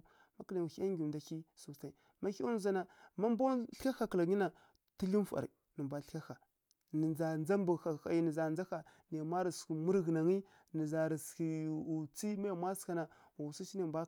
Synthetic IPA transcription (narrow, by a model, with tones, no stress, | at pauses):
ma˦kla˨u˨xi˦a˦ŋɡʲi˨da˨ki˦su˨t͡sa˨i˨ | ma˦ki˦u˦n˦za˦na˨ma˦m˦ba˦ɬka˦xa˨kə˨la˨ɡi˦na˨ | ti˦li˦m˦fa̰˨ɾḭ˨ | nə˨mba˦ɬka˦xa˨ | nə˨d͡za˨nd͡za˦mbu˨xa˨xa˨ji˨˦nə˨za˨nd͡za˦xa˨ni˨ja˨ma˦ɾi˨ski˨mu˦ɾɣə˨na˨ŋi˦ | nə˨za˨ɾi˨ski˨u˨t͡si˦ma˦ja˨mʷa˦ska˦na˨ | wa˨wu˨sa˦t͡ʃi˦na˦˨mbʷa˦